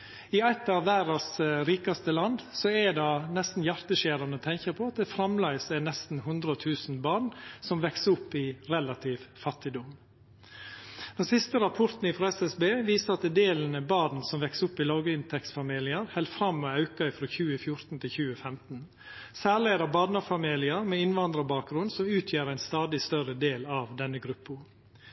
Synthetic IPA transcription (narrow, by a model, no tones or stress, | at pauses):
ɪæɪt̪ɑʋʋæːɾɑsɾiːkɑst̪əlɑnd̪sɔɛd̪ɑnɛst̪n̩jæɾt̪əʃeːɾɑnət̪ʰɛŋçəɾpʰɔɑt̪̚d̪ɛfɾɑmlɑɪsɛnɛst̪n̩hʉnd̪ɾəɔt̪ʰʉːsn̩bɑːɳsɔmʋɛksəʊpːɪɾɛlɑt̪ʰiʋfɑt̪ːɪd̪ʊm | d̪̥ɛnsɪst̪əɾɑpʰɔɾt̪n̩ɪfɾɑːɛsɛsbeːʋiːsəɾɑt̪̚d̪ɛd̪eːlən̩əbɑːd̪n̩sɔmʋɛksəʊpːɪlɑːɡəɪnt̪ʰɛksfɑmiːlɪəɾhɛlt̪fɾɑmːɔɑʉkɑɪfɾoːçʉːəfjʊɾt̪n̩t̪ʰɪlçʉːəfɛmt̪n̩ | sæːɭeːd̪əbɑːd̪nɑfɑmiːlɪəɾmeɪnʋɑnd̪ɾəbɑːk̚ɡɾʉnd̪sɔmʉːt̪ʰjeːɾæɪnst̪ɑːd̪ɪst̪œɾəd̪eːlɑʋd̪ɛnːəɡɾʉpːʊ